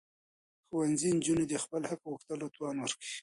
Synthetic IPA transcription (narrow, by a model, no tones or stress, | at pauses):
xuwanzind͡ʒuned̪expəlhakwʊxt̪əlot̪wɑnwəɾkəi